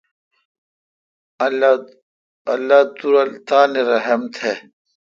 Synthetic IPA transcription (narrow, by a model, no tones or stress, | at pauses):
ɐlːaːt̪uɾɐlt̪aːneɾɐɦɐmt̪ʰeː